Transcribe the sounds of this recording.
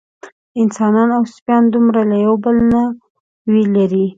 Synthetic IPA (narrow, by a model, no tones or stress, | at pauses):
ɪnsɑnɑnawspjɑnd̪umɾalajawbəlna | welaɾi